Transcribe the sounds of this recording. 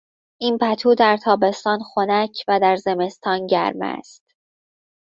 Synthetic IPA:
ʔiːnpʰæt̪ʰuːd̪æɾt̪ʰɒːbe̞st̪ɒːnxo̞næcʰvæd̪æɾze̞me̞st̪ʰɒːnɟæ̰ɾmæ̰st̪

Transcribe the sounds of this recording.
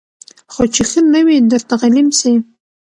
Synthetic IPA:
xot͡ʃixənəwid̪əɾt̪aɣɑlimsi

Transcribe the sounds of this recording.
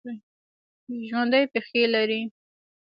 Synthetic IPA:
ʒwand̪əjpexelaɾi

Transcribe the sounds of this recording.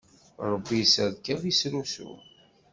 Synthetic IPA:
ɾˤəbːisæðkævisɾusṵ

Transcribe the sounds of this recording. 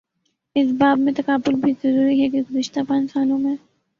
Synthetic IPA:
ɪsbaːbmẽt̪ɐkaːbʊlbʱizɐɾuːɾiɦɛkeɡʊzɪʃt̪apãːnsaːnõmẽ

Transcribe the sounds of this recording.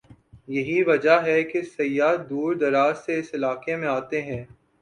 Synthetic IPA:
jɐɦiʋɐd͡ʒaɦɛkesɐjːaːd̪uːɾd̪ɐɾaːzseɪsɪlaːqemẽaːt̪eɦɛ̃ː

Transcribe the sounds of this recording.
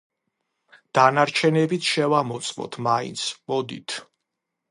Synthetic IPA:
d̪̥anaɾt͡ʃʰɛnɛbit̪ʰʃɛvamɔt̪sʼmɔ̰t̪ʰmaḭnt̪sʰmɔd̪ḭt̪ʰ

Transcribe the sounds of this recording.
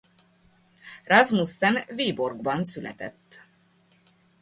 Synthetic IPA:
rɑzmusːɛnveːborɡbɒnsylʔɛ̰t̪ɛ̰t̪ː

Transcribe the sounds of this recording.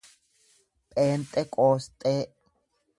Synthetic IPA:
pʼeːnt̪ʼekʼoːst̪ʼe

